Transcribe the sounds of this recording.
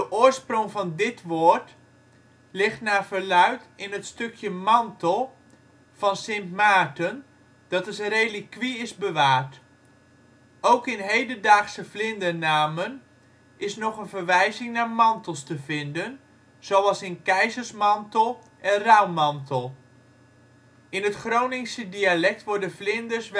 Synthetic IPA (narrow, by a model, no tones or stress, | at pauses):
dəʔʊːəɹsprʊŋfɑndɪtʋoəɹt | lɪxtnaːfərlœɥtɪnətstøkʰjəmɑntʰəlˠ | fɑnsɪnpmaːtən | d̥ɑtəsrejlikːʋiɪsbəʋaːrt | owkɪnɦejdəndaːχsəflɪndənaːmən | ʔɪsnɔχənvəɹʋɛjzɪŋnaːɹmɑntəl̩ˠstəvɪndən | z̥owɑlˠsɪnkɛjzəɹsmɑntəlˠ | ʔɛnrawmɑntəlˠ | ɪnɦətχrownɪŋsədialɛk̚tʋɔɹdəflɪndəɹsʋ